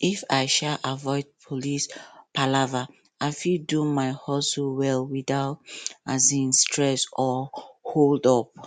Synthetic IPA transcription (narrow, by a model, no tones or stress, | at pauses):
ifaɪʃalʔavɔɪd̚pʰolispʰalava | aɪfidumaɪhɔsowɛlwiðaʊtazĩnstʰɹɛsɔholdɔp̚